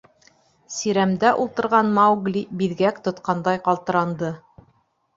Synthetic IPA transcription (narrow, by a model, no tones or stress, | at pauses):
siɾæmd̪æʔulˠt̪ɤ̆ɾʁɑnmɑwɡlʲibiðɡækt̪ŏt̪qɑnd̪ɑjqɑlˠt̪ɤ̆ɾɑnd̪ɤ